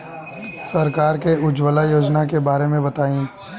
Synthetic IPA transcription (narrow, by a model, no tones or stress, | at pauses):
sɐɾkaːɾkeʊd͡ʒwəlajoːd͡ʒnakebaːɾemẽbɐt̪aːĩː